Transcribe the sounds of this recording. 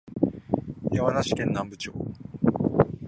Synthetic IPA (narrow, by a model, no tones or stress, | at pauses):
jamanaɕi̥kẽ̞nːãmbɯt͡ɕo̰ː